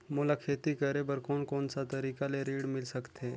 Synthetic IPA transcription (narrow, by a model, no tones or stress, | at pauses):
moːlakʰeːt̪ikəɾebəɾkoːnkoːnsat̪əɾiːkaleɾiːɽmɪlsəkt̪ʰe